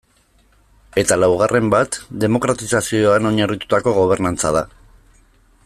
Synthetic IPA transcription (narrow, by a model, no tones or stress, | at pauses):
e̞t̪alawɣ̞are̞mbat̪d̪e̞mo̞kɾat̪isasio̞ano̞ɲarit̪u̥t̪ako̞ɣ̞o̞β̞e̞ɾnant͡sa̰ð̞a